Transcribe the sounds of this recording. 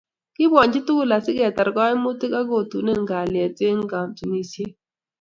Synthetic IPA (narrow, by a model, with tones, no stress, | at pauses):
kɪ˦bwɔ˨ɲd͡ʒɪ˦tu˦la˨sɪ˦ɡɛ˨tɛ˨ɾkɔ˦ɪ˦mu˦ti˦ka˦ɡo˨tu˨ne˦ŋɡa˨lɪ˨ɛ˨te˦ŋ˦ɡa˨mtu˨ni˦sje˦